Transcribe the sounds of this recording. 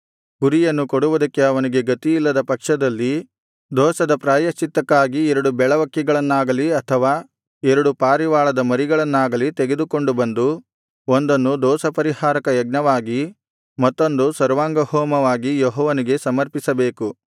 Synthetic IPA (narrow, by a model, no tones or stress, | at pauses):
kuɾijɐnːukoɽuʋud̪ɐkːe̞ɐʋɐniɡe̞ɡɐt̪ijilːɐd̪ɐpɐkʂɐd̪ɐlːi | d̪ɔːsɐd̪ɐpɾaːjɐʃt͡ʃit̪ːɐkːaːɡiɛɾɐɽubɛɭɐʋɐkːiɡɐɭɐnːaːɡɐliɐt̪ʰɐʋaː | ɛɾɐɽupaːɾiʋaːɭɐd̪ɐmɐɾiɡɐɭɐnːaːɡɐlit̪eɡe̞d̪uko̞ɳɖubɐnd̪u | ond̪ɐnːud̪ɔːsɐpɐɾihaːɾɐkɐjɐɡ̚nɐʋaːɡi | mɐt̪ːo̞nd̪usɐɾʋaːŋɡɐhɔːmɐʋaːɡijɔɦɔːʋɐniɡe̞sɐmɐɾpisɐbe̞ːku